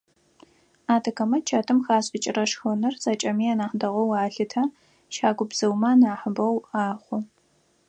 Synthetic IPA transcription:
aːtʰɐkʰɐmɐt͡ʃʰaːtʰɨmxaːɕʼɪt͡ʃʼɪrɐʂxɐnɨrz̥aːt͡ʃʼɐmiːaːnaːħdɐʁʷɔwaːɬɨtʰɐ | ʃaːɡʷʊbz̥ɨwmɐnaːħəbɐwaːχʷʊ

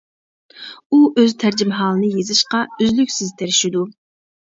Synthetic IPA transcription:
uʔøzt̪ʰæɾd͡ʒimɦɑːlˠɨnɨjezɨʃqɑyzlykʲsɪzt̪ʰeɾɪʃid̪u

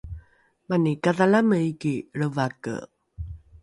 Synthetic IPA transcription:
manikaðalaməikiɾəvakə̰

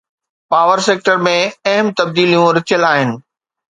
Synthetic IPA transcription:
paːʋəɾseːk̚ʈəɾmẽɐɦmt̪ɐb̚d̪iːlijũɾɪt͡ɕjəlaːɦɪnɪ̆

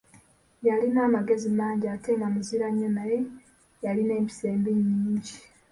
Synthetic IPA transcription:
jalinaːmaɡe̞zimaːɲɟaːte̞ːmamiziɾaɲːonaje̞ | jaline̞ːmpi̥se̞ːmbeɲiːɲɟi

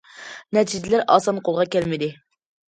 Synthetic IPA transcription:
nɛt̪ʰid͡ʒɪlæɾʔɑ̰ːsɑnqʰolˠʁɑkʲælmɪd̪ɪ

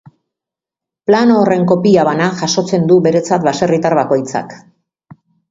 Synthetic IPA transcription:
planoːre̞ŋko̞piaβanaʝaʃo̞t͡se̞nd̪uβe̞ɾe̞t͡sat̪̚βase̞rit̪aɾβako̞jt͡sa̰k

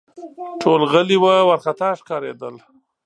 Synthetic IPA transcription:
ʈʰolɣəliwawaɾxat̪ɑʂkɑːɾed̪əl

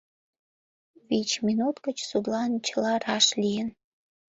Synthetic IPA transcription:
βit͡ɕmʲinut̪kə̆t͡ɕsud̪lɑnt͡ɕəlɑrɑʃlʲijən

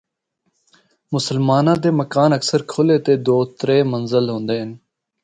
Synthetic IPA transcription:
mʊsəlmaːnãːd̪eːməkaːnəksəɾkʰoleːt̪eːd̪oːt̪ɾeːmənzəlɦõːnd̪eːɦən

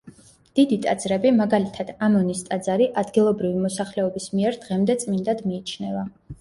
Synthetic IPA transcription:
d̪̥id̪it̪ʼad̪zɾɛbimaɡalit̪ʰad̪̥amɔnist̪ʼad̪zaɾiʔad̪ɡilˠɔbɾivimɔsaχlɛɔbismiɛɾd̪ʁɛmd̪ɛt̪sʼmind̪ad̪miːt͡ʃʰnɛva

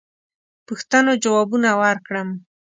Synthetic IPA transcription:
pəxt̪anod͡ʒawɑbunawaɾkɽəm

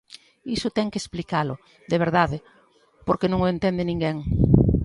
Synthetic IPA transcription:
isʊt̪ɛŋkesplikalʊ | ðeβ̞eɾðaðɪ | poɾkenõŋoent̪ɛnd̪ɪnĩŋɡɛŋ

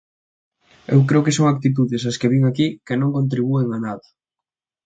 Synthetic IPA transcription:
ḛwkɾeokesoŋak̚t̪it̪uðesɐskeβiŋakikɪnõŋkõnt̪̬ɾiβueŋanaðɐ

